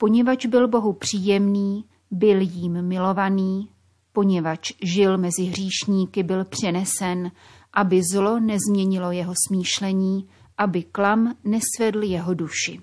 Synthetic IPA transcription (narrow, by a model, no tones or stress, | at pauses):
po̞ɲɛvat͡ʃbɪlbo̞ɦupr̝̥iːjɛmniː | bɪljiːmːɪlo̞vaniː | po̞ɲɛvat͡ʃʒɪlmɛzɪɦr̝iːʃɲiːkɪbɪlpr̝̥ɛnɛsɛn | ʔabɪzlo̞nɛzmɲɛɲɪlo̞jɛɦo̞smiːʃlɛɲiː | ʔabɪklamnɛsvɛdl̩jɛɦo̞duʃɪ